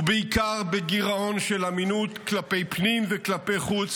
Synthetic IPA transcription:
beikaʁbeɡiʁao̞nʃelaminutklape̞jpnimveklapejχut͡s

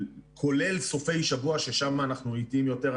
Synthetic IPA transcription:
kʰo̞le̞lso̞fe̞jʃavuaʃeʃamaːnaχnuitimjo̞teʁ

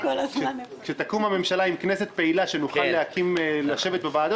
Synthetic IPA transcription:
kolaakʃet̪akumame̞mʃalaimknese̞t̪̚pe̞ilaʃe̞nuxχallehakʰimlaʃe̞vet̪̚bevaːdo

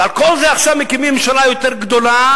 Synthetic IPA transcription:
alko̞lzeaχʃavmekimimʃalajot̪eʁɡd̪ola

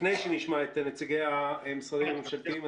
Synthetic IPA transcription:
nejʃeniʃmaet̪net͡siɡejaemisʁadimamuʃalt̪im

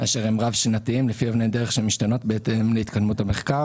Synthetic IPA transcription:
aʃe̞ʁhemʁavʃinat̪iimlefiovnejdeeχʃemiʃtano̞tbeet̪emleit̪kad̪mutame̞χkaʁ

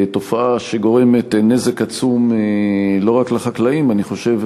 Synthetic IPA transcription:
to̞faaʃe̞ɡo̞ʁe̞me̞tne̞ze̞kat͡sum | lo̞ʁakleχaklaimaniχo̞ʃe̞v

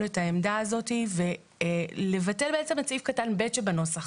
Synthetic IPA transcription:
ethaemdaːzo̞tive̞ | le̞vate̞lbe̞et͡semat͡sifkatanbetʃebano̞saχ

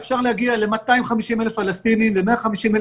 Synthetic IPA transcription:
fʃaʁlehaɡialemat̪ajimχamiʃimelefalast̪inimlemeaχamiʃimel

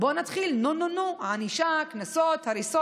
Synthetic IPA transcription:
bonat̪χilnononuʕaniʃaknasot̪haɾiso

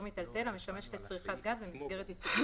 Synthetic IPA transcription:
mit̪alt̪e̞lame̞ʃameʃtlet͡sʁiχat̪ɡazbemisɡe̞ʁ̞et̪isu

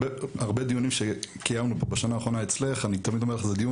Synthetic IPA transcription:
eaʁbed̪ijunimʃekijamnubobaʃanaːχʁonaet͡sle̞χanit̪amid̪ome̞leχzed̪iju

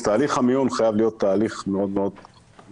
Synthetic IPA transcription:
t̪aːliχhamiunχajavlijo̞t̪ːaːliχmeo̞d̪meo̞d̪

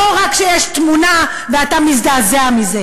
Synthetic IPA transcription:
oʁakʃejeʃt̪muna | veat̪amiz̬d̪azeamize

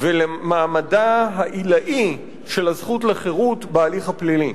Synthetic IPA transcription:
velemaːmadaɦaʔilaʔi | ʃe̞lhazχutleχeʁutbealiχhaplili

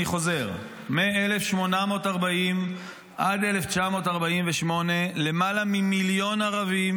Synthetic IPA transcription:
iχo̞ze̞ʁ | meaele̞fʃmo̞namo̞ːtaʁbaim | ʔade̞left͡ʃamo̞taʁbaimveʃmo̞ne̞le̞malamimiljo̞naʁavim

